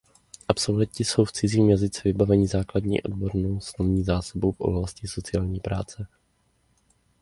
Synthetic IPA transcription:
ʔapsolvɛcɪso̞wft͡sɪziːmjazɪt͡sɛvɪbavɛɲɪzaːkladɲḭːʔo̞̰d̚bo̞ɾnowslovɲiːzaːsabowfʔo̞̰blascɪso̞t͡sɪaːlɲiːpɾaːt͡sɛ

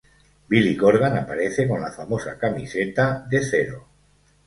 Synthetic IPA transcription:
biliɣoɾɣ̞anapaɾe̞θeko̞nlafamo̞sakamḭset̪aðe̞θeɾo

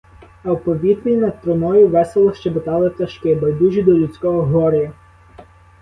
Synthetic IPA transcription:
ɐwpɔʋʲid̪nʲijnɐd̪̚t̪ɾɔmɔjʊʋɛselˠɔʃt͡ʃɛbet̪ɑlˠɪt̪ʲɐʃkɪbɐjd̪uʒʲid̪ɔlʲʊt̪t͡sʲkɔɦɔɦɔɾɪjɐ

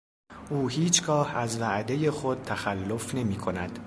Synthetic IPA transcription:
ʔuːhiːt͡ʃʰɡɒːhæzvæʔd̪e̞je̞xo̞d̪̥̚t̪ʰæxælːofne̞miːkʰo̞næd̪̥

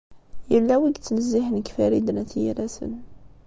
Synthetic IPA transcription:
jəlːæwiɡt͡sːənəzːiħnəkfæɾid̪ənæθjḭɾæsə̰n

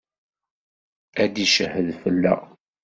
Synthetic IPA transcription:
æd̪iʃəhəðfəlːæ̰

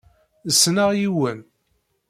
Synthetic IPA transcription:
əsːnaʁjiwən

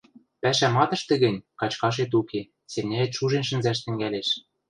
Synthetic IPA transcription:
pæʃæmɑt̪ɤ̆ʃt̪ɘ̆ɣɘ̆nʲkɑt͡ɕkɑʃ̬et̪uke | semnʲæet̪ʃuʒenʃɘ̆nzæʃt̪ɘ̆ŋɡæleʃ

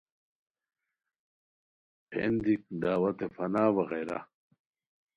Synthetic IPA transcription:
pʰḛnd̪ik̚d̪aːwɐt̪efɐnaːwɐɣejɾa̰

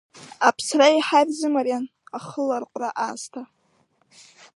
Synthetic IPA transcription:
apʰsraiħarzɨmaɾjanaχəlarqʷʼraʔaːstʰa

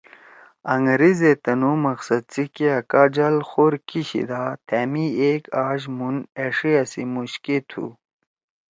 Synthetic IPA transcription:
ɐŋɡɾizet̪ɐnumɐqsɐd̪̚t͡sikeɐkaːd͡ʑalxoɾkiɕḭd̪at̪ʰæːmiekaːʑmuneʂiɐsimuɕkit̪ʰṵ

